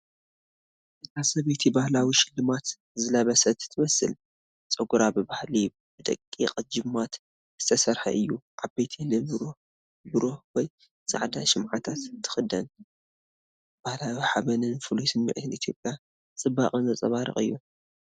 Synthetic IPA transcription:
ʔɨt̪ʰasɐβet̪ʰibahlawiʃɪlːɨmat̪ | zɨlɐβɐsɐt̪t̪ʰɨmɐsɨ̰l | t͡sʼɐɡuɾabɨbahli | bɨt̪ʼɐ̰kʼːḭqʼd͡ʒɨmːat̪ | z̥ɨ̥t̪ʰɐsɐɾħɐ̰ʔɨjːuʕabet̪ʰinɨɾ | bɨɾoħwɔj | sʼa̰ʕd̪aʃɪmʕat̪ʰat̪t̪ʰːɨ̥xɨd̪ɐn | b̥ahlawiħaβɐnɨnfɨlusɨmːḭʕt̪ʰɨnʔit̪ʰjo̞pʼja | t͡sʼɨbaχʼɨnɐt͡sʼɐ̰βaɾɨ̰χʼɨ̰jːu

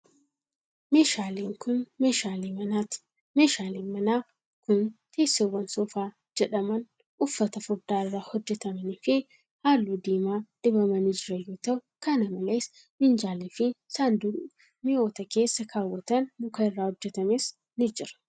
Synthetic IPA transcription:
meːʃaːliːŋkʊneʃaliɐ̥ | meːʃaːliːnmɐnaː | kʊnt̪ʰeːsːewːɐnsɔfaː | d͡ʒɛᶑɐmɐn | ʔʊfːɐt̪ɐfʊɾd̪aːɪrːaːhɔd͡ʒːɛt̪ɐmɐnɪfɪ | haːlːuːd̪iːmaːd̪̥ɪbɐmɐnɪd͡ʒɪɾɐjoːt̪ɐʔʊkɐnɐmɐle̞ːs | mɪnd͡ʒaːliːfɪsand̪ʊ | mɪoːt̪ɐke̞ːsːɐkʰaːwːɐt̪ɐnmʊkɐɪrːaːhɔd͡ʒːɛt̪ɐmeːs | nɪd͡ʒɪɾɐ̥

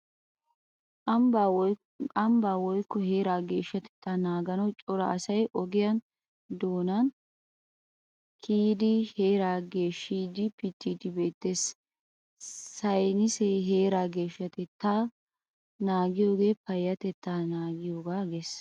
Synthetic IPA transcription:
ɐmbaːwɔjkːɔhe̞ːɾaːɡe̞ːʃːɐt̪ɛ̥t̪ːanaːɡɐnɐwt͡ʃʼɔɾɐɐsɐjʔɔɡɪjɐn | d̪oːnɐn | kʰiːd̪ɪheːɾaːɡe̞ːʃːiːd̪ɪpɪt̪ːiːd̪ɪbe̞ːt̪ːe̞ːs | sɐjnɪsɛɦe̞ːɾaːɡe̞ːʃːɐt̪ɛt̪ːa | naːɡɪjo̞ːɡe̞ːpɐjːɐt̪ɛt̪ːaːnaːɡɪjo̞ːɡaːɡeːs

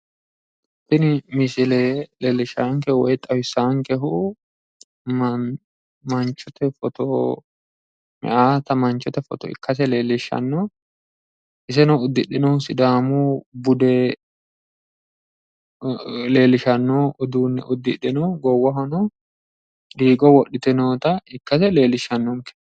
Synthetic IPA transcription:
pːɪnmisɪleleːlːɪʃaːŋkɛwɔjt̪ʼːɐwɪsaːŋkɛɦʊ | mɐnt͡ʃːɔt̪ɛfɔt̪ɔ | mɛ̰ʔaːt̪ɐmɐnt͡ʃɔt̪ɛfɔ̰t̪ɔ̰ɪ̰kːɐsɛleːlːɪʃːɐ̰nːɔ | ʔɪsɛnɔʊd̪ːɪɗɪnɔːsɪd̪aːmubʊd̪ɛ | le̞ːlɪʃɐnːoːʔʊd̪uːnːɛ̰ʔʊd̪ːɪɗːɪnɔːɡɔwːɐɦɔnɔ | d̪iːɡɔwɔɗɪt̪ɪnoːt̪ɐɪkːɐsɛle̞ːlɪʃɐnːɔŋkɛ̥

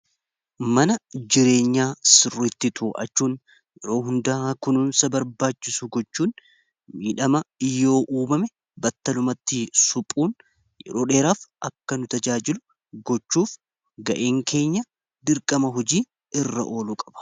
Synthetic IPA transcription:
mɐnɐd͡ʒɪɾe̞ːɲːaːsɪrɪt̪ːɪt̪ʰʊːʔɐ̰t͡ʃːuːn | jɛɾo̞ːɦʊnd̪ɐaːkʊnʊnsɐbɐɾbaːt͡ʃːɪsʊɡɔt͡ʃːuːn | miːᶑɐmɐɪjːo̞ːʔuːmɐmɛ | bɐt̪ːɐlʊmɐt̪ːɪsʊpʼuːn | jɛ̰ɾo̞ːᶑe̞ːɾaːfʔɐkːɐnʊt̪ɐd͡ʒaːd͡ʒɪlʊ | ɡɔt͡ʃːuːf | ɡɐʔeːŋkʰe̞ːɲːɐ | d̪ɪɾkʼɐmɐɦɔd͡ʒiː | ɪrːɐ̰ʔo̞ːlʊkʼɐ̥b̥ɐ̥

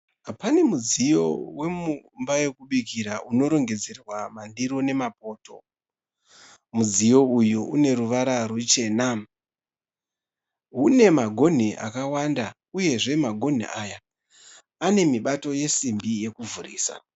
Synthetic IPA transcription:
apane̞mud͡zijo̞̰we̞mumbaje̞kuɓikiɾaʔuno̞ɾo̞ŋɡe̞d͡ze̞rwamandiɾo̞ne̞mapo̞ːto̞̰ | mud͡zijo̞ujuune̞ɾuʋaɾarut͡ʃe̞na | ɦune̞maɡʱo̞n̤iʔa̰kawanda | uje̞ʐe̞maɡʱo̞n̤ḭʔaja | ane̞miɓato̞je̞simbije̞kuvurḭːsa̰

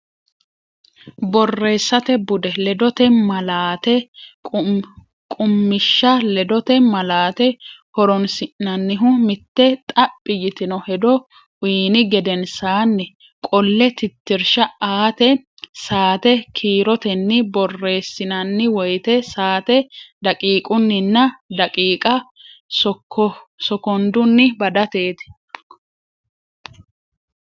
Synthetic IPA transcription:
bɔrːe̞ːsːɐt̪ɛbʊd̪ɛlɛd̪ɔt̪ɛmɐlaːt̪ɛ | kʼʊmːɪʃːɐlɛd̪ɔt̪ɛmɐlaːt̪ɛhɔɾɔnsɪʔnɐnːɪɦʊmɪt̪ːɛt̪ʼɐpʼːɪjɪt̪ɪnɔhɛd̪ɔ | ʊːnɪɡɛd̪ɛnsaːnːɛ | kʼɔlːɛt̪ɪt̪ːɪɾʃɐaːt̪ɛ | saːt̪ɛkʰiːɾɔt̪ɛnːɪbɔrːe̞ːsːɪnɐnːɪwɔjt̪ɛsaːt̪ɛd̪ɐkʼiːkʼʊnːɪnːɐd̪ɐkʼiːkʼɐsɔsɔkɔnd̪ʊnːɪbɐd̪ɐt̪e̞ːt̪ɛ̥

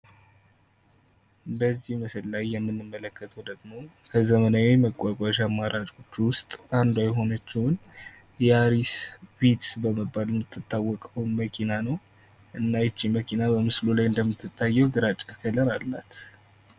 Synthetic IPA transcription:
bəzːihməsɨlːajːɛmːɨnːɨmːələkʰːət̪ʰəwd̪əɡmokʰəzəmənawejməkʷʼːakʼaʃamːaɾʔat͡ʃʼo̞t͡ʃːwʊst̪ʼand̪wajɦo̞nət͡ʃːɪwʊn | jɛaɾisbit̪bəməbːaljɛmːɨt̪ʰːɨt̪ʰːawːɔkʼəwnməkʰinanəw | ʔɨnːajɛt͡ʃːiməkʰinabəmɨslulajɨnd̪əmːɨt̪ʰːɨt̪ʰːajːɛwɡɨɾat͡ʃʼːakʰələɾalːat̪

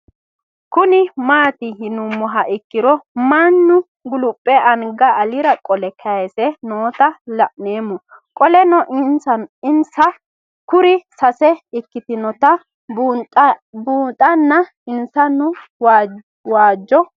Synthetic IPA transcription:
kʊnɪmaːt̪ɪɦɪnʊmːɔɦɐʔɪkːɪɾɔmanːʊ | ɡʊlʊpʼːɛʔɐnɡɐʔːlɪɾɐkʼɔlɛkʰɐesɛnoːt̪ɐlɐʔneːmːɔ | kʼɔlɛnɔʔnsɐɪnsɐ | kʊɾɪsɐsɛɪkːɪt̪ɪnɔt̪ɐ | buːt̪ʼɐnːɐ | ɪnsɐnʊw | waːd͡ʒːɔ

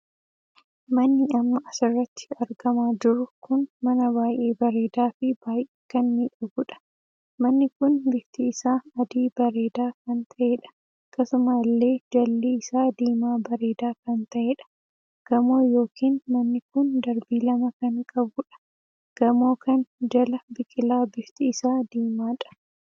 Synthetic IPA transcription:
mɐnːɪɐmːɐɐsɪrːɐt̪ːɪ̥ɐɾɡɐmaːd͡ʒɪɾʊkʊnmɐnɐbaːjʔe̞ːbɐɾe̞ːd̪aːfɪbaːjʔeːkɐnmiːᶑɐɡʊᶑɐ̥ | mɐnːɪkʊnbɪt̪ɪːsaːɐd̪iːb̥ɐɾe̞ːd̪aːkɐnt̪ʰɐʔeːᶑɐ̥ | ɐkːɐsʊmalːe̞ːd͡ʒɐlːiɪsaːd̪eːmaːbɐɾe̞ːd̪aːkɐnt̪ɐʔeːᶑɐ̥ | ɡ̥ɐmo̞ːjo̞ːkiːnmɐnːɪkʊnd̪ɐɾbiːlɐmɐkɐnkʼɐbʊᶑɐ̥ | ɡ̥ɐmo̞ːkɐnd͡ʒɐlɐbɪkʼɪlaːbɪft̪ɪːsaːd̪iːmaːᶑɐ̥

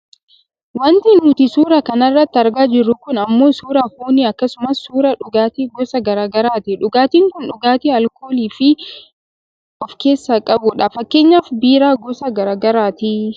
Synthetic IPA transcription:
wɐnt̪iːnʊt̪ɪsuːɾɐkɐnɐrːɐt̪ːɪɐɾɡaːd͡ʒɪrːʊkʊnɐmːoːsuːɾɐhuːniɐkːɐsʊmɐsːuːɾɐᶑʊɡaːt̪iɡɔsɐɡɐɾaːɡɐɾaːt̪ɪᶑʊɡaːt̪iːŋkʊnᶑʊɡaːt̪iːɐlko̞ːliːfɪ | ɔfke̞ːsːaːkʼɐbʊᶑaːfɐkːe̞ːɲːaːfbiːɾaːɡɔsɐɡɐɾaːɡɐɾaːt̪i

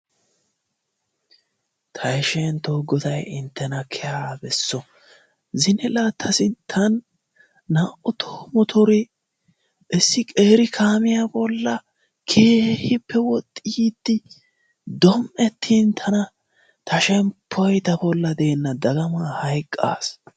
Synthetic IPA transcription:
t̪ʰɐjʃɛnt̪ɔːɡɔt̪ɐjɪnt̪ʰːɛnɐkʰɛjaːbɛsːɔ | zɪnɪlat̪ʰːɐsɪt̪ʰɐnː | aːʔʊt̪ʰoːmɔt̪ʰɔɾɪ | ʔɪsːɪkʼeːɾɪkʰaːmɪjabɔlːɐ | kʰeːhɪpːɛwɔt̪ʼːiːd̪̥ːɪ | d̪ɔmʔɛt̪ʰːiːnt̪ʰɐnɐ | t̪ʰɐʃɛmpʰːɔjt̪ɐbɔlːɐd̪e̞ːnːɐd̪ɐɡɐmahɐjkʼːa̰ːs

